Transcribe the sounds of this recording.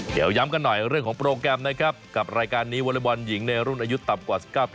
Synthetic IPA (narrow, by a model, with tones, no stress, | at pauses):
dḭː˨˩˦wja˦˥mka˧nːɔ˨˩jɾɯ˥˩ŋkʰɔː˩˦ŋpɾoː˧kɾɛː˧mna˦˥kʰɾa˦˥p̚ka˨˩p̚ɾaː˧jkaː˧nːiː˦˥wa˧la˦˥˩bɔ˧nji˩˦ŋna˧jɾu˥˩nʔaː˧ju˦˥t̪ːa˨˩mkwaː˨˩si̥˨˩p̚kaː˥˩wp̪ʰ